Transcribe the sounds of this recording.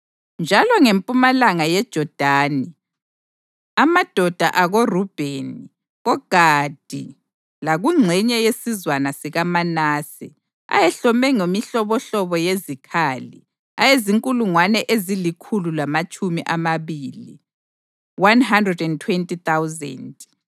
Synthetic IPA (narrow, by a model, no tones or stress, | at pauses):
nd͡ʒʱalɔŋempʼumalaŋajɛd̥ʒ̥ʱɔd̥ʱaːni | amad̥ʱɔd̥ʱaʔaɣorub̥ʱeni | ɣɔɡ̥ʱad̥ʱḭ | laɣuŋ͡ǀʱɛɲɛjesizwanasiɣamanaːsḭ | a̰jɛɬɔmɛŋemiɬɔβɔɬɔβɔjezikʰaːlḭ | ajeziŋkʼuluŋwanɛʔezilikʰululamat͡ʃʼumiʔamaβiːli | wanɦandrɛdɛntʰwentʼit̪awzɛ̰nd